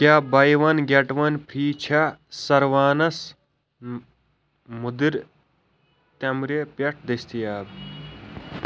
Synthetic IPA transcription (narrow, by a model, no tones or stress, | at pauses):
kʲaːbɐjʋɐnɡʲeʈʋɐnpʰɾiːt͡ʃʰɐsɐɾʋaːnɐs | mud̪iɾ | t̪ɐmɾepɐʈʰd̪est̪ijaːb